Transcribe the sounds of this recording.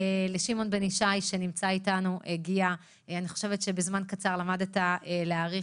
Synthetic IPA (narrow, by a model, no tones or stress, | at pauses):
eleʃimo̞nbeniʃajʃenimt͡saitanuʔeɡia | aniχoʃe̞vetʃe̞bezmankat͡saʁlamadetaeleaːʁi